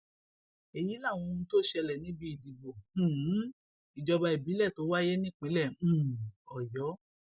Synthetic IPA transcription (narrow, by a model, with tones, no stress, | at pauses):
e˨ji˨˦la˦˨w̃ɔ̃˧to˦ʃɛ˧lɛ˨nĩ˨˦bi˦i˦˨di˨ɡ͡bõ˨˦ | i˨d͡ʒɔ˧ba˧i˨bi˨˦lɛ˦˨to˨˦wa˦je˦nĩ˦˨k͡pe˨˦lɛ̃˦˨˦ɔ˨jɔ˨˦